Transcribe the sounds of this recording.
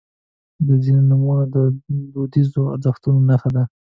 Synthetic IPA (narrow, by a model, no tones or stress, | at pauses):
d̪əzinonumunad̪əbod̪izoa̰ɾzəxt̪unonaxad̪a